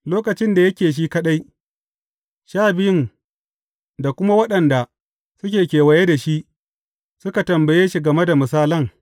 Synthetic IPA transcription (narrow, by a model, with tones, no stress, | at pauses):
loː˦kɐ˨t͡ʃɪ˦nda˨jɐ˦kʲeː˨ʃ̬iː˦kɐ˦ɗa˦j | ʃaː˦bɪ˦ɪ˦n | da˨kʷʊ˦ma˦wɐ˦ɗɐ˨nda˨ | sʊ˦kʲeː˨kʲeː˨wɐ˨je˦da˨ʃi˦ʔ | sʊ˦ka˨tɐ˨mbɐ˨jeː˦ʃi˨ɡɐ˨me˦da˨mʊ˨saː˦lɐ˦ŋ